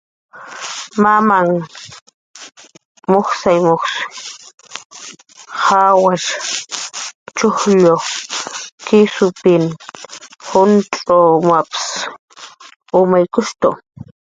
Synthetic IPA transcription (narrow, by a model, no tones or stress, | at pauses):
mamaŋ | moχsajmoχs | hawaʃ | t͡ʃʊhʎo | kɪsʊpɪn | hʊnt͡ɬʼomaps | ʊmajkʊʃt̪ʊ